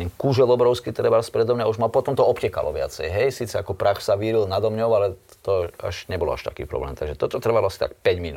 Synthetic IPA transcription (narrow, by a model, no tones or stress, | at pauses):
ɛnkuʒɛlɔbɾɔʊskit̪ɾɛbaspɾɛd̪ɔmɲauʒmalpɔt̪ɔmt̪ɔɔpcɛka̰lɔ̰ʋɪa̰t͡sɛjɦɛjsiːt͡sɛakɔpɾaxsaʋiːɾilnad̪ɔmɲɔʊalɛt̪ɔa̰ʒɲɛbɔlɔ̰a̰ʃt̪a̰kḭːpɾɔ̰blɛ̰ːmt̪aɡʒɛt̪ɔt̪ɔt̪r̩ʋalɔasi̥t̪a̰k̚pɛɟminu